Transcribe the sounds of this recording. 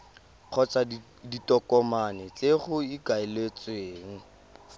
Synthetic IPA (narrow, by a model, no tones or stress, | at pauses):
q͡χʰɔt͡sa | ditʼɔkʼɔmanɛt͡seχʊikaɪlet͡sweːŋ̩